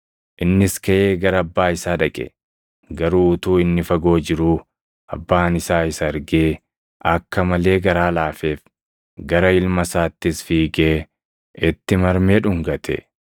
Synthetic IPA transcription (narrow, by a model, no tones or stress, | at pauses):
ʔɪnːɪskɐʔeːɡɐɾɐɐbːaːɪsaːᶑɐkʼɛ̰ | ɡɐɾuːʊt̪uːɪnːɪfɐɡo̞ːd͡ʒɪɾuː | ɐ̰bːaːnɪsaːɪsɐɐɾɡeː | ʔɐkːɐmɐle̞ːɡɐɾaːlaːfe̞ːf | ɡɐɾɐɪlmɐsaːt̪ːɪsfiːɡeː | ɪt̪ːɪmɐɾmeːᶑʊŋɡɐt̪ʰɛ̰